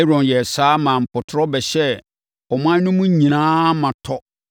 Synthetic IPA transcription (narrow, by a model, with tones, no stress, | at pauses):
ɾɔ̃˨njɛ˨saː˦mã˨m̩˨pʰʊ˨tʰɾɔ˦bɛ˨ɕɛ˦ | ɔ˨m˦ã˦nʊ̃˦mũ˦ɲĩ˨nãː˦mã˨tʰɔ˦